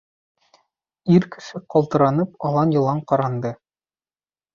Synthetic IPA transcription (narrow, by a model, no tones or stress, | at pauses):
iɾkɘ̥̆ʃɘqɒlˠt̪ɤ̆ɾɑnɤpɒlˠɑnjɤ̆lˠɑɴqɒɾɑnd̪ɤ